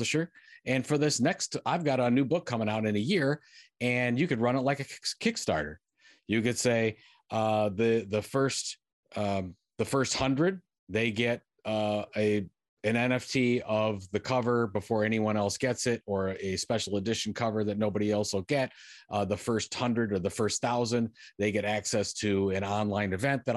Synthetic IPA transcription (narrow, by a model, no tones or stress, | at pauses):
ʃʊɹɨ̃nfə˞ðɪsnɛkstaɪvɡɑɾənʉbʊkʰːʌ̃mɪ̃ŋaʊɾɨ̃nɨjɪɹɨ̃njɨkɨd̚ɹʌ̃ñətˡlaɪkɨkʰɪkstɑ̰ɹɾə̰˞ | jɨkɨd̥seɪ | ʔʌðɨðɨfɜ˞st | ʌ | ðəfɜ˞st̚hʌ̃ndɹɨd̪̚ | ðeɪɡɛɾ | ʌɨ | ɨ̃nɛ̃nɛftʰiʌvðɨkʰʌvə˞bəfɔɹɛñiwʌ̃ñɛlˠsɡ̥ɛtsɪɾə˞ɨspɛʃl̩ˠədɪʃn̩kʰʌvə˞ðɨtⁿnoʊbɨɾiɛlˠsoʊɡ̥ɛt̚ʔðəfɜ˞st̚hʌ̃ndɹɨɾə˞ðəfɜ˞stθaʊzɨ̃nðeɪɡɛɾæksɛstʰɨɨ̃nɑ̃nlãɪ̃nɨvɛ̃n̚ðɨɾ